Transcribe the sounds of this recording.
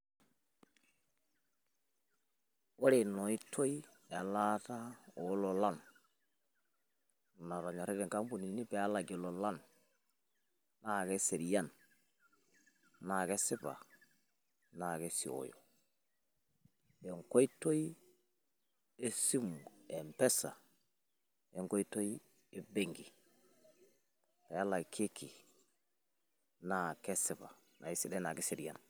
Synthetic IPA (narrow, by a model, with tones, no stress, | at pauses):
wo˦ɾe˨no˨i˦tʰo˦i˦ | a˨la˦ta˦o˨˦lo˨la˦n˨ | na˨ɾa˨ɲo˨ɾi˦ɡe˨ŋka˦m˦bu˨ni˨ni˦be˨a˦la˨ɡi˨lo˨la˦n | a˨ke˦se˨ɾi˨ja˦˨n | na˨ke˦si˦ba̰˨ | na˨ɡe˦sḭ˨o̰˨jo̰˨ | ɛ˨ŋko˦jto˦j | e˦si˦mɛ˨mpɛ˦sa̰˨ | ɛ˨ŋko˦jto˦j | ɛ˨be˦ŋɡi˨ | a˨ja˦la˨kʰe˦kʰi˨ | na˨kɛ˦si˨ba˨ | na˨i˦si˦dɛ˦na˨ɡɛ˦se˨ɾja̰˨n